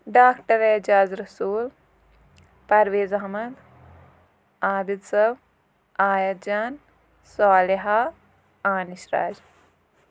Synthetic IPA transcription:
ɖaːkʈɐɾeːd͡ʒaːzɾɐsuːl | pɐɾʋeːzɐɦmɐd̪ | aːd̪it̪sɐb | aːjɐt̪̚d͡ʒaːn | saːleɦa | aːniʃɾa̰ːd͡ʒ

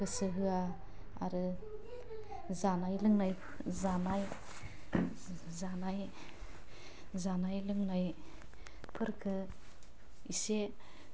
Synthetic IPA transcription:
ɡɯsɯɦɯa | a̰ɾɯ | zanajlɯŋnaj | zanaj | zanaj | zanajlɯŋnaj | pʰɯɾkʰɯ | ise

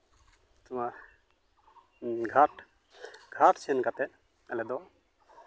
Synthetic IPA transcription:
t̪umaɾ | ɡʱaʈ | ɡʱaʈsɛnkat̪ɛʔ | ɛlɛd̪ɔ

